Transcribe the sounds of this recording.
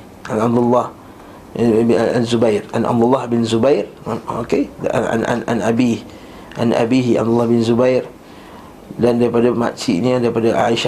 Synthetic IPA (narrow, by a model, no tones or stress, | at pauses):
ʔanab̚d̪ulːɑh | aanzubajra̰nʔa̰b̚d̪ulːahbɪnzubajrokea̰na̰na̰nabi | ʔa̰nʔa̰biɦia̰bd̪ulːɑhbɪnzubajr | dandaɾipadama̰ʔt͡ʃḭʔniadaɾipadaʔa̰iʃa